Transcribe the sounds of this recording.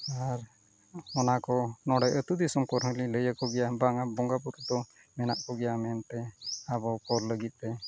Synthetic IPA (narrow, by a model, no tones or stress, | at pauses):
aɾ | ɔnakɔnɔɽɛjʔət̪ud̪isɔmkɔɾɦəliləjəkɔɡɛjabaŋabɔŋɡapuɾd̪ɔ | mɛnaʔkɔɡɛjamɛnt̪ɛabɔkɔɾləɡit̪̚ˀt̪ɛ